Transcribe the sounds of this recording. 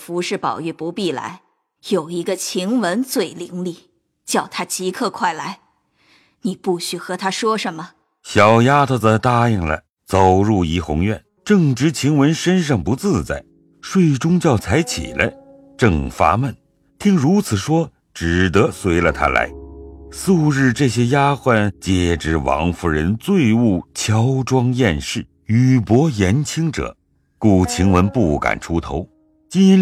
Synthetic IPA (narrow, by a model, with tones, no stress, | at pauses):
fu˧˥ʂɻ̩˥˩pɑ̰˨˩ʊy˥˩pu˧˥pi˥˩la̰˧˥ɪ | jo˨˩ʊi˧˥ɡə˧t͡ɕʰi˧˥ŋwə˧˥nt͡swe˥˩ɪli˧˥ŋli˥˩ | t͡ɕjɑ˥˩ʊt̪ʰa˥t͡ɕi˧˥kʰɤ˥˧kʰwa˥˩ɪla˧˥ɪ | ni˨˩pu˥˩ɕy˥˩xɤ˧˥t̪ʰa˥ʂwɔ˥ʂə˧˥nmə˧ | ɕjɑ˨˩ʊja˥t̪ʰə˥˧˩də˧t̪a˥˧i˥˩ŋlə̰˦ | t͡so˨ʊɻu˥˩i˧˥xʊ̰˧˥ŋɥɛ̰˥˩n | ʈ͡ʂɤ˥˩ŋʈ͡ʂɻ̩˧˥t͡ɕʰi˧˥ŋwə˧˥nʂə˥nʂ̬ɑ˥˩ŋpu˧˥t͡sɹ̩˥˧t͡sa̰˥˩ɪ | ʂwe˥˩ɪʈ͡ʂʊ˥ŋt͡ɕjɑ˥˩ʊt͡sʰa˧˥ɪt͡ɕʰḭ˨˩lə̰˦ | ʈ͡ʂɤ˥˧ŋfa̰˥mə˥˩n | t̪ʰi˥ŋɻu˧˥t͡sʰɹ̩˨˩ʂwɔ˥ | ʈ͡ʂɻ̩˨˩t̪ɤ˧˥swe˧˥ɪlə˧t̪ʰa̰˥la̰˧˥ɪsu˥˧ɻɻ̩˥˧ʈ͡ʂɤ˥˩ɕjɛ˥ja˥xwa˥˧˩nt͡ɕjɛ˨˩ʈ͡ʂɻ̩˧˥wɑ̰˧˥ŋfu˧˩ɻə˧˥nt͡swe˥˧ɪu˥˩t͡ɕʰjɑ˥ʊʈ͡ʂwɑ˥ŋjɛ˥˧nʂɻ̩˥˩ | y˨˩pwɔ˧˥jɛ˧˥nt͡ɕʰi˥ŋʈ͡ʂɤ̰˨˩˦ | ku˨˩t͡ɕʰi˧˥ŋwə˧˥npu˥˩ka̰˨˩nʈ͡ʂʰu˥t̪ʰo˧˥ʊ | t͡ɕi˥ni˧˥n